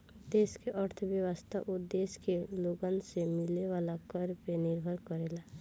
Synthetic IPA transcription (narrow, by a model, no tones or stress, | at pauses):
d̪eːskeʔəɾt̪ʰəʋjəʋəst̪ʰaʔʊd̪eːskeloːɡənsemɪlneʋaːlakəɾpenɪɾbʱəɾkəɾeːlaː